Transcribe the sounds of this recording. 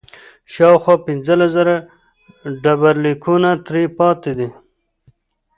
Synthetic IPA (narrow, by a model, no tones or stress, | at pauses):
ʃɑːwxwɑːpɪnzəlazəɾa | ɖabaɾlikʰunat̪ɾipɑːt̪ed̪i